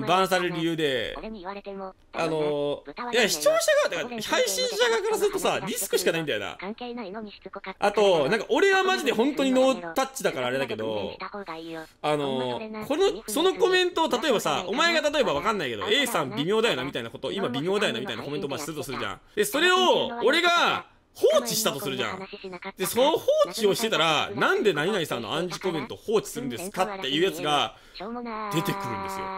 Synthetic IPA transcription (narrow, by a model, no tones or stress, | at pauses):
bãɰ̃s̬aɾɾɯɾʲijɯ̟ːd̪e̞ | a̰no̞jaçi̥t͡ɕo̞ːɕaɡat̪kahaiɕĩɰ̃ɕaɡakaɾasɨɾɯ̟t̪o̞saɾʲisɨ̥kɯ̟ɕikanaĩd̪ajo̰na̰ | at̪o̞nãŋkaʔo̞ɾe̞βamaʑid̪e̞ɦõ̞nt̪o̞ɲino̞ːt̪at͡ɕid̪akaɾaːɾe̞d̪ake̞d̪o̞̰ | ano̞ko̞noso̞no̞ko̞mẽ̞nt̪o̞ːt̪at̪o̞e̞basa̰ʔo̞mae̞ɡat̪at̪o̞e̞baβ̞akãnːaike̞d̪o̰e̞ːsãmbʲimʲo̞ːd̪ajo̞namʲit̪ainakot̪o̰ʔimabʲimʲjo̞ːd̪ajo̞namʲit̪ainako̞mẽ̞nt̪omat͡ɕːisɨɾɯ̟t̪o̞sɨɾɯ̟ʑã̰ɴ̃d̪e̞so̞ɾe̞o̞oɾe̞ɡa | hoːt͡ɕiɕi̥t̪at̪o̞sɨɾɯ̟ʑã̰d̪̥e̞sonohoːt͡ɕio̞ɕi̥t̪e̞t̪aɾanãnd̪e̞naɲinaisãnːo̰ãɲ̟d͡ʑiko̞mẽ̞nt̪o̞ho̞ːt͡ɕi̥sɨɾɯ̟nd̪esɨ̥kat̪ːe̞jɯ̟ːjat͡sɨɡa | d̪̥e̞t̪e̞kɯ̟ɾɯ̟̃nd̪e̞sɨ̰jo̞̰